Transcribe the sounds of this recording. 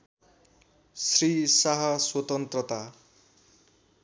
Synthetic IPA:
srisaɦʌswʌt̪ʌnt̪rʌt̪a

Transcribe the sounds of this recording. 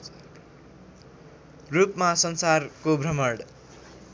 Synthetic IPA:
rupmasʌnsarkobʱrʱʌmʌɽ

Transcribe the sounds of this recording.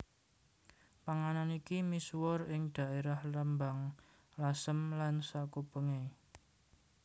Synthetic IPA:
paŋananikimiswɔrɪŋd̥a̤ʔeɾahləmbaŋ | lasəmlansakubəŋe

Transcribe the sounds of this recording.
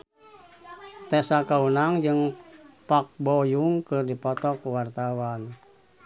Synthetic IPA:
t̪ɛsakaunaŋd͡ʒɨŋpak̚bɔjuŋkɨrdipɔt̪ɔkuwart̪awan

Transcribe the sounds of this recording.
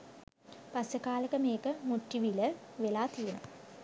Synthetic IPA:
pasjəkaːləkəmeːkəmuʈːiʋiləʋelaːt̪iuna̰

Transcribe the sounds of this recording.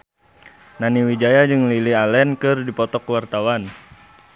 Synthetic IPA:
naniwid͡ʒajad͡ʒɨŋlilialɛnkɨrdipɔt̪ɔkwart̪awan

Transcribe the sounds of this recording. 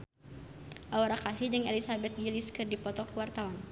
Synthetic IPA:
ʔaoɾakasid͡ʒɨŋɛlisabɛt̪̚wiliskɨrdipɔt̪ɔkuwart̪awan

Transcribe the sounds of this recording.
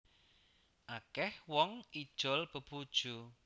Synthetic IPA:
ʔakɛhwɔŋid̥ʒ̥ɔ̤lb̥ə̤b̥ud̥ʒ̥u

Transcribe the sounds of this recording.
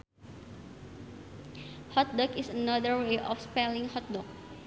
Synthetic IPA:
hɔt̪̚dɔkisənʌdəɹweʔɔfspɛlĩŋhɔt̪̚dɔk̚

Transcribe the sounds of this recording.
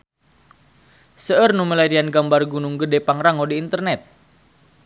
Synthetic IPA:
səʔərnuməlaɾianɡambarɡunuŋɡədepaŋraŋɔdiːnt̪ərnɛt̪̚

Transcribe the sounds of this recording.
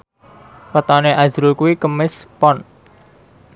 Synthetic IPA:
pət̪aneʔazɾulkuwikəmɪspɔn

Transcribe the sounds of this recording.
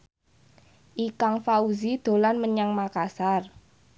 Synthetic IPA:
ʔikaŋfauzid̪̥o̤lanməɲaŋmakasar

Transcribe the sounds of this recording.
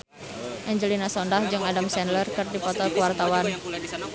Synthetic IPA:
ʔɛɲd͡ʒəlinasɔndahd͡ʒɨŋadamsɛnlərkɨrdipɔt̪ɔkəwart̪awan

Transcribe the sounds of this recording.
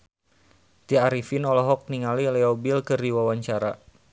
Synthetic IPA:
t̪iaɾifinɔlɔɦɔk̚niŋalilɛɔbilkərdiwawaɲt͡ʃaɾa

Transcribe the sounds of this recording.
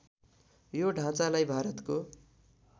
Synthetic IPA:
joɖʱãt͡salajbʱaɾʌt̪ko

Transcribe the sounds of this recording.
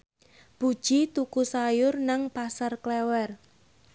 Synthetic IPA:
b̥ud̥ʒ̥it̪ukusajʊrnaŋpasarklɛwɛr

